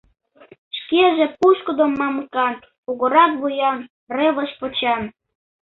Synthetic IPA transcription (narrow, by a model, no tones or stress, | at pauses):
ʃkeʒĕpuʃkə̆d̪omːɑmkɑn | uɣoɾɑt̪βujɑn | reβəʃpot͡ɕɑn